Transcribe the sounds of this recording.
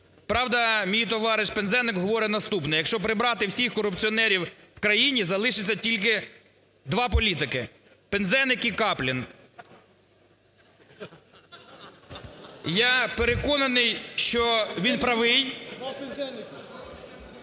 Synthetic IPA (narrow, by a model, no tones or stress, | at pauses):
pɾɑwd̪ɐmʲijit̪ɔʋɑɾɪʃpenzɛnɪkɦɔʋɔɾɛnɐst̪upnɛjɐkʃt͡ʃɔpɾɪbɾɑt̪ɪwsʲixkɔɾʊpt͡sʲiɔnɛɾʲiw | wkɾɐjinʲizɐlˠɪʃɪt͡sʲːɐtʲilʲk̬ɪ | d̪ʋɑp̬ɔlʲit̪ɪkɪ | penzɛnɪkikɑplʲin | japeɾekɔnɐnɪjʃt͡ʃɔʋʲinpɾɐʋɪj